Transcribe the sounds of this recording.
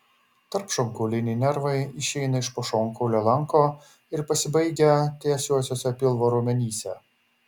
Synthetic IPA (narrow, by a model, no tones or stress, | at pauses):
t̪ɐɾpʃɔŋkoːlʲɪnʲɪnʲɛɾʋɐɪɪʃʲɛɪnɐɪʃpoːʃoːŋkoːlʲɛlˠɐŋˑkoː | ɪɾpɐsʲɪbɐɪɡʲɛt̪ʲeːsʲuɔsʲoːsʲɛpʲɪlˠʋoːɾuːmʲɛnʲiːsʲɛ